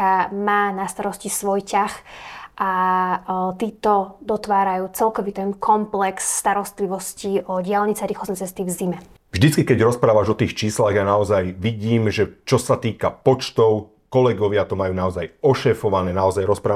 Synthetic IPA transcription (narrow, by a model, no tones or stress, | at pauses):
amaːnast̪aɾɔscisʋɔjcaxʔa | t̪iːt̪ɔd̪ɔt̪ʋaːɾajuːt͡sɛlkɔʋit̪ɛnkʰɔmplɛksːt̪aɾɔst̪liʋɔsciɔɟɪalɲit͡saɾiːxɔznɛt͡sɛst̪ivzimɛ | vʒd̪it͡skikɛɟɾɔspɾaːʋaʒɔt̪iːxt͡ʃiːslaɣjanaɔzajʋiɟiːmʒɛt͡ʃɔsat̪iːkapɔt͡ʃt̪ɔʊ | kɔlɛɡɔʋɪat̪ɔmajuːnaɔzajɔʃɛːfɔʋanɛːnaɔzajɾɔspɾaː